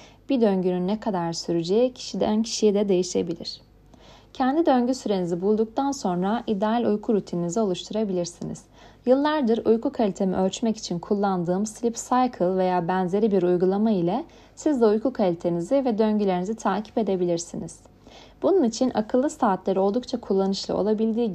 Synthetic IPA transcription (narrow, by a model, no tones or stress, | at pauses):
b̥id̪øɲɟynynːɛkʰad̪aɾsyɾyd͡ʒeicʰi̥ʃid̪ɛ̰øncʰi̥ʃijɛd̪ɛd̪e̞jiʃe̞bilʲiɾ̝̥ | cʰɛnd̪id̪ø̞ɲɟysyɾe̞nizibulˠd̪uk̚t̪ʰanso̞nɾaʔid̪ɛalʲujkʰuɾut̪ʰininizɛo̞lˠuʃt̪ʰuɾabilʲiɾsinḭz̥ | jɯlˠːaɾd̪ɯɾujkukʰalʲit̪ʰe̞mḭʔølʲt͡ʃmɛci̥t͡ʃʰinkʰulˠːand̪ɯːmslʲipsajkʰɯlˠve̞jaːbænze̞ɾibiɾujɡulˠamailʲɛ | sizd̪ɛujkukʰalʲit̪ʰe̞nizivɛd̪ø̞ɲɟylʲeɾinizit̪ʰaːcʰi̥pe̞d̪e̞bilʲiɾsiniz̥ | b̥ununit͡ʃʰinʔa̰kʰɯlˠːɯsaːt̪lʲeɾio̞lˠd̪uk̚t͡ʃʰakʰulˠːanɯʃlˠɯ̰o̰lˠabilʲd̪iːɟ